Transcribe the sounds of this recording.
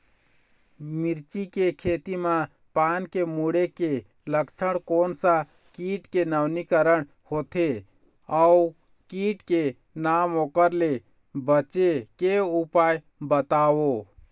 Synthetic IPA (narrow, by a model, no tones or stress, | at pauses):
miɾt͡ʃikekʰet̪ima | pankemuɽeke | ləkt͡ʃʰəɽkonsə̃ | kiʈkenawnikəɾəɽ | hot̪ʰe | a | kiʈke | namokəɾle | bət͡ʃekeupaj | bət̪awo